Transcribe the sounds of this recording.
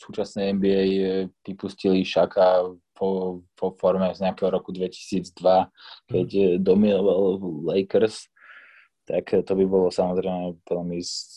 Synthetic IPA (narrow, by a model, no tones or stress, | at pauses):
suːt͡ʃasnɛɛmbiɛjpipusciliʃakapɔpɔfɔɾmɛzɲɛakɛːɦɔɾɔkud̪ʋɛci̥siːd͡zd̪ʋakɛcd̪ɔminɔʋallɛɪkɾs | t̪akt̪ɔbibɔlɔsamɔzɾɛɪmɛʋɛlmiz